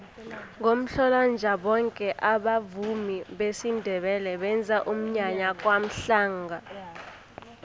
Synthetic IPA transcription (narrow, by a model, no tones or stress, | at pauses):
ŋʱom̩ɬɔland͡ʒʱaɓɔŋkʼɛʔaɓavumiɓesindʱɛɓɛlɛɓɛnd͡zʱaʔum̩ɲaɲakʼwam̩ɬaːŋɡʱa